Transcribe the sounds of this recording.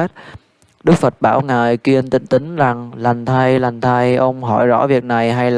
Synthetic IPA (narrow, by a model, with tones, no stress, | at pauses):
t̚ | ɗɨ˦˥k̚fə˨˩t̚ɓaː˧˩wŋa̰ː˨˩jkwi˧ənt̪ḭ˧˩ŋ̟t̪ï˨˦ŋ̟la˨˩ŋla˨˩ŋ̟t̪ʰa˧jla˨˩jŋ̟t̪ʰa˧jʔə˧wŋ͡mɦɔ˧˩jzɔ̰˧˥vi˨˩ək̚na˨˩jɦa˧jl